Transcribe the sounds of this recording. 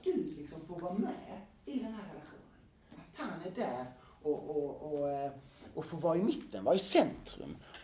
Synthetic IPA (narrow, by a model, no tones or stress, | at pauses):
d̪̥ɵlɪksɔmfoːɾvɑːmɛ | ɪd̪ɛnɦæːɾːɛlaɧṵːnən | at̪hanæɖæɾ | ɔʔɔɔ | ɔfoːɾvɑːɪmɪt̪ːənvɑɾɛsɛnt̪ɾɵ̰m